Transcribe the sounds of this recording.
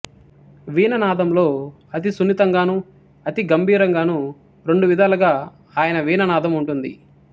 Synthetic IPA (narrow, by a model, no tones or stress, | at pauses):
ʋiːnɐnaːd̪ɐmlo̞ː | ɐt̪̬isunit̪ɐŋɡaːnu | ɐt̪iɡɐmbʱiːɾɐŋɡaːnu | ɾe̞ɳɖuʋid̪ʱaːlɐɡaː | aːjɐnɐʋiːnɐnaːd̪ɐmuɳʈund̪ḭ